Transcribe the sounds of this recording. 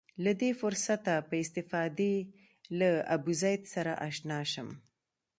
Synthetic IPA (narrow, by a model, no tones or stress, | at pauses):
lad̪efʊɾsat̪apəɪst̪ɪfɑd̪e | laabuzɑjd̪saɾaʔaʃnɑʃəm